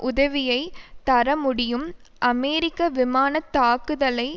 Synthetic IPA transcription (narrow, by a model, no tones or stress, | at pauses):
ʔʊðɐʋɪjɐɪt̪ɐɾɐmʊɽɪjɯm | ʔɐmɛːɾɪkːɐʋɪmaːnɐt̪ːaːkɯðɐlɐɪ